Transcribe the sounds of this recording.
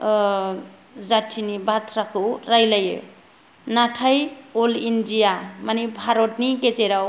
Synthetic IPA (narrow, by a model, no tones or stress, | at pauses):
d͡zaʈʰinibʱat̪ʰɾakʰoɾajlajḛ | naʈʰajolindijamanibʱaɾoʈniket͡seɾaw